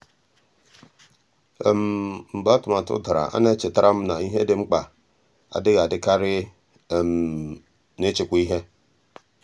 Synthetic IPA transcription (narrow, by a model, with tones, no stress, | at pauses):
e˨m˨m̩˨ba˦tʊ˨ma˨tʊ̰˦da˨ɾa̰˨ʔa̰˦ne˦t͡ʃɪ˨ta˦ɾʔa˦m̩˦na˨i˦ɦe˦dɪ˦ŋ͡m̩˦k͡pa˨ | a̰˨dɪ˦ɣa˨dɪ˦ka˦ɾɪ˦˨ | m˨ | nɪ˦t͡ʃɪ˨kʷu˦i˦ɦe˦